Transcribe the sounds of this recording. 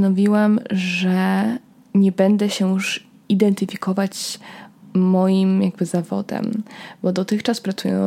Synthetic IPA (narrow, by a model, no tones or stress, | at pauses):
nɔvʲiwamʐɛ | ɲɛbɛnd̪ɛɕɛjuʂ | id̪ɛnt̪ɘfʲikɔvat͡ɕː | ɔjimjaɡ̚bɘzavɔ̰d̪ɛ̰mbɔd̪ɔt̪ɘxt͡ʂaspɾat̪sṵjɛ̰